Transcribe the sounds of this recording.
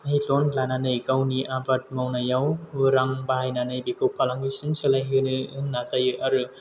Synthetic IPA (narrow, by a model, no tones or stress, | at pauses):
ɦitonlananɯjkawniʔabat̚mawnajawbɯɾaŋbaɦajnanɯjbikɯwpʰalaŋɡisɯnsɯlajɦɯnɯɯnːazajɯaɾɯ